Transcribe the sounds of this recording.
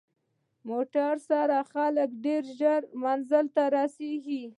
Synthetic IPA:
moʈaɾsaɾaxaləkɖeɾʒaɾmanzəlt̪aɾɑseɡi

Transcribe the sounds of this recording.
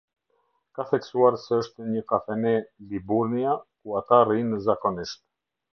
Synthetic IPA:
kaθɛksuaɾsɛəʃt̪ɛɲəkafɛnɛlibuɾniakuat̪arinəzakɔniʃt̪̚

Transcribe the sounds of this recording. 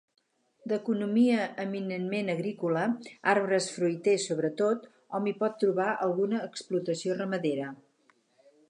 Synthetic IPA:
d̪əkunumiəːminənmenəɣɾikuləaɾβɾəsfɾujt̪esoβɾət̪ot̪ | ɔmipɔt̪ːɾuβaʔəlˠɣunəːksplut̪əsiorəməðeɾə

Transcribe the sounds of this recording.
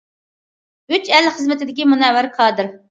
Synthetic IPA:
yt͡ʃɛlχəzmɪt̪ʰɪd̪ɪkʲimunɛwɪɾkʰɑːd̪ɨɾ

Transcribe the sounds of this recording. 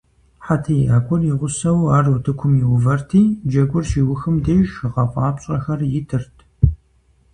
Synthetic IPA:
ħatʰiːaːkʷʰɔrjɪʁʷʊsɐwaːrutʰɨkʷʰʊmjɪwʊvɐrtʰiːd͡ʒɐɡʷʊrʃiːwʊxɨmdeːʒɨʁɐpʷʼɑːpɕʼɐxɐrjɪtʰɨrtʰ

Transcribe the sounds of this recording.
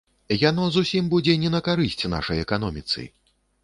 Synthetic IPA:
jan̪ɔzusʲimbud͡zʲɛnʲɛnɐkaɾɨsʲt͡sʲna̰ʂɐjɛkan̪ɔmʲit̪sɨ̰j

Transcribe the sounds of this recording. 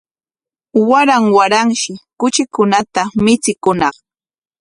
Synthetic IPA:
waɾaŋwaɾaŋʃɪkʊt͡ʃɪkʊnat̪amɪt͡sɪkʊnɑχ

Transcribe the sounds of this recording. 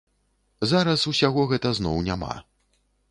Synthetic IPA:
zaɾɐsusʲaɣɔɣɛt̪ɐznɔwnʲama̰

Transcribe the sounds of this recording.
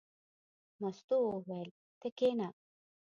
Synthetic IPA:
nəst̪uʋɛl | t̪ekena

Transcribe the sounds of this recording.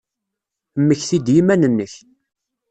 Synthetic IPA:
mːəçθid̪jimænənːəç

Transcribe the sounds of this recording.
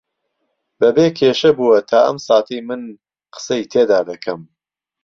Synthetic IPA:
bɐbeːkʰeːʃɐbuwɐt̪ʰaːʔɐ̰msaːt̪ʰijmɨn | qʰə̥sɐjt̪ʰeːd̪aːd̪ɐkʰɐm

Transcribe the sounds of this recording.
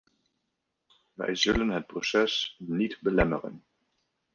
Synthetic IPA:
va̰jzʏlənɦət̚b̥ʁɔsɛsnitbəlɛməʁə̰n

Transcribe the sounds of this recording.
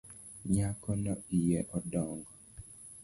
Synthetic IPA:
ɲakɔnɔijɛʔɔdɔŋɡɔ

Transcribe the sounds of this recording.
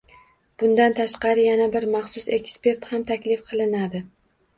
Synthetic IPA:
b̥ʊnd̪ant̪ʰaʃqɑɾɪjanabɪɾmɑχsʊse̞kʲspe̞ɾt̪hamt̪ʰakʲlɪfqʰɨlˠɪnad̪ɪ

